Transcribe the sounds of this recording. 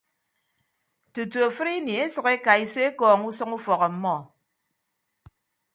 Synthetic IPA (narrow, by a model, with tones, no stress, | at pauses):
tu˨tu˨a˨fɨ˦ɾi˦ni˨e˦sɨ˨ke˦ka˨i˦se˦kɔː˨ŋu˦sɔ˦ŋu˦fɔ˨ɣɔ˨m̩˦mɔ˦˨